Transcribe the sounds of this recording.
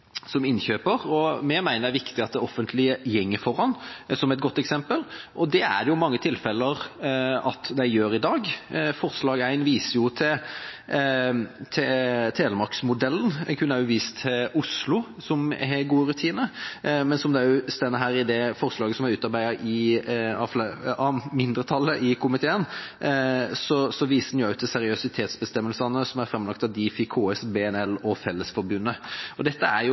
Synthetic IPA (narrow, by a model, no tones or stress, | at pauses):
sɔmɪnçøːpəɾɔmɛmæɪnəɾæɾʋɪkt̪ɪɑt̪̚d̪ɛɔfːənt̪ʰlɪəjɛŋːəfɔɾɑnːsɔmɛt̪ɡɔt̪ːɛksɛmpəlʔɔd̪ɛæ̰d̪ɛjʊmɑŋːət̪ʰɪlfɛlːəɾɑ̰t̪d̪æɪjøːɾɪd̪ɑːɡfɔɾslɑːɡæɪnʋiːsəjʊt̪ʰɪ | t̪ʰɛt̪ʰeːləɾmɑksmʊd̪ɛlːn̩kʰʉnːəæɾjʊʋiːst̪ʰːɪʊslʊsɔmɦɛɡuːəɾʉt̪ʰiːnəmɛnsɔmd̪ɛæjʊst̪ɛnəɦæːɾɪd̪ɛfɔɾslɑːɡəsɔmɑɾʉːt̪ɑɾbæɪəɾɪɑflɑmɪnd̪ɾət̪ʰɑlːəʔɪkʰʊmɪt̪ʰeːən | sɔsɔʋiːsənjʊɑʉt̪ʰːɪsɛɾɪœsɪt̪ʰeːt̪sbəst̪ɛmːəlsənəsɔmæɾfɾɛmlɑk̚t̪ɑd̪iːfɪkʰoːɛsbeːɛnɛlɔfɛlːəsfɔɾbʉnːəɔd̪ɛt̪ːəæɾjʊ